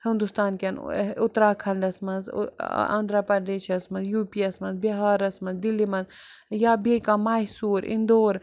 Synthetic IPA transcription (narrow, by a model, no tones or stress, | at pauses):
hind̪ust̪aːnkʲɐnʊt̪ɾaːkʰɐɳɖɐsmɐnz̰ɐ̰nd̪ɾɐpɐd̪eːʃɐsmɐnzjuːpiɐsmɐnzbɐɦaːɾɐsmɐnzd̪ilːimɐnzjaːbekamaːɦsuːɾḭnd̪oːɾ